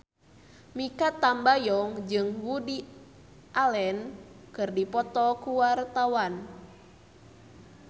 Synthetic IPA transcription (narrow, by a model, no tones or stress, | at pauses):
mikat̪ambajɔŋd͡ʒɨŋwudi | ʔalɛnkɨrdipɔt̪ɔkuwart̪awan